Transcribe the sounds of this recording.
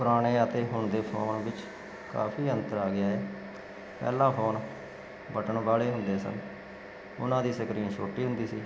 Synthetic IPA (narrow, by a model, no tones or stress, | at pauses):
pʊɾaːɽeːət̪eːɦʊɳd̪eːpʰoːnbɪt͡ʃ | ka̰ːpʰiːənt̪əɾaːɡɪjaːɦɛː | pɛ̰ːlãːpʰoːn | bəʈəɳbaːɭeːɦʊnd̪eːsə̰n | ʊ̰nãːd̪iːsəkɾiːnʃʰoːʈiːɦʊnd̪iːsiː